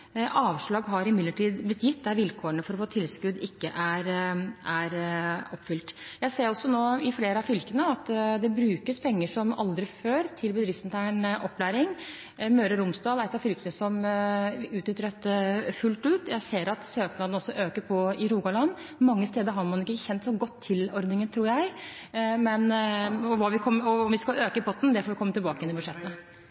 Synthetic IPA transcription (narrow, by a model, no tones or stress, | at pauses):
ʔɑːʋʂɭɑːɡɦɑɾɪmɪd̪ləʈiːd̪blɪt̪ːjɪt̪ːd̪æɾʋɪlkʰoːəɳəfɔɾɔfoːt̪ʰɪlskʉd̪ɪkːəʔæɾʔæɾɔpːfʏlt̪jæɪseːɾɔsːɔnoːɪfleːɾəɑfʏlkənəɑt̪d̪ɛbɾʉːkəspʰɛŋːəʂɔmɑ̰ld̪ɾɪføːɾt̪ʰɪlbəd̪ɾɪft̪nt̪ʰæːɳʔɔpːlæːɾɪŋ | møːɾəɾʊmsd̪ɑːlɛt̪ːɑfʏlkənəsɔm | ʉːt̪nʏt̪ːəɾət̪fʉlt̪ʉːt̪jæɪseːɾɑt̪søːknɑd̪n̩ɔsːɔʔøːkəɾpʰɔɪɾuːɡɑlɑnː | mɑŋːəst̪eːd̪əɾɦɑɾmɑnɪkːəçɛnt̪sɔɡɔt̪ʰːɪlɔɾd̪nɪŋənt̪ʰɾuːɾjæɪ | mɛnɔʋɑːʋɪkʰɔmːəɔɔmʋɪskɑløːkəɪbɔt̪ːn̩d̪ɛfoːʋɪkʰɔmːət̪ʰɪlbɑːkəɛnːɪbʉd̪ʂɛt̪ːəə